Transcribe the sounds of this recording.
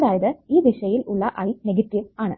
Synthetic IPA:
ðaːjɐðɨiːʋiʂɐjilʔuɭːɐʔɐjneɡɐtːiʋaːɳɨ̰

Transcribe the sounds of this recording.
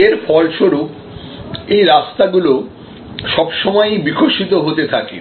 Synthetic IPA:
eɾfɔlʃoɾup | ejɾast̪aɡulo | ʃɔbʃɔmɔebikʰoʃit̪oɦot̪et̪ʰakḛ

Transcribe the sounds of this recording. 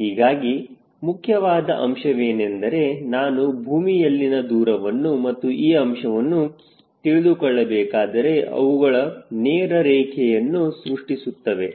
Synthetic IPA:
ɦiːɡaːɡi | mukʰjɐʋaːd̪ɐʔɐmʃɐʋeːnend̪ɐɾe̞naːnubʱuːmijɐlːinɐd̪uːɾɐʋɐnːumɐt̪ːuʔiːɐmʂɐʋɐnːu | t̪iɭid̪ukɔɭːɐbɛːkaːd̪ɐɾe̞ʔɐ̰ʋuɡɐɭɐneːɾɐɾɛːkʰɛjɐnːusɾuʂʈisut̪ːɐʋe̞

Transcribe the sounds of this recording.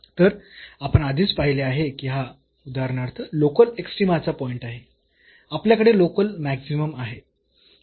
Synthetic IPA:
t̪əɾapəɳad̪ʱiːt͡spaɦileaɦekiɦa | ud̪aɾɳaɾt̪əlokəleksʈɾimat͡sapɔiɳʈaɦe | apljakəɽelokəlmæksiməmaɦe

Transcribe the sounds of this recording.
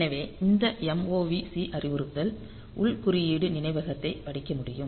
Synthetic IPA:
nɐʋeːɪnd̪ɐɛmoːʋiːsiʔɐrɪʋɯɾɯt̪ːɐl | ʔʊɭkʊɾɪjiːɽɯnɪnɐɪʋɐɣɐt̪ːɐɪpɐɽɪkːɐmʊɽɪjɯm

